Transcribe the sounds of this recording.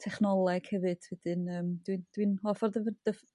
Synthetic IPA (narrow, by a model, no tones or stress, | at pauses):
tʰɛχnɔlˠɛɡ̥hɛvɨd̥vɪd̥ɨnəːmd̥wind̥winɔːfɔrdəvd̥əf